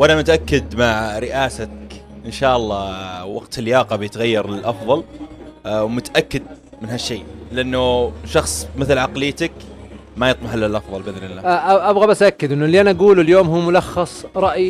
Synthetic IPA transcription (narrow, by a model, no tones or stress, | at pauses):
wʔanamʊt̪ʔakːɪd̪maʕɾɪʔaːsakʔɪnʃaːʔɑlˤːɑwɑ̰ɡt̪ʰɪljɑːqɑbjɪt̪ɣajːɑɾˤɪlʔɑfðˤɑl | wmʊt̪aʔakːɪd̪̚ | mɪnɦaʃːeːlɪʔanːʊʃɑxsˤmɪθlʕɑqlɪːt̪ak | majɨt̪ˤmɑħalːalʔɑfðˤɑlbɪðɾɪlːaaʔabɣabasaʔakːɪd̪ʔɪnːʊlːiʔanaʔaɡuːlʊljoːmɦuːmʊlɑxːɑsˤɾˤɑʔji